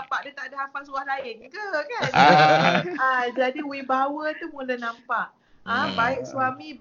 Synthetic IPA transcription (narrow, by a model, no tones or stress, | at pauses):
apaʔdət̪aʔdaɦapasuahlaɪnkəkan | əd͡ʒadiuibawət̪umulənampaʔ | ə̃baɪʔ̚swamĩ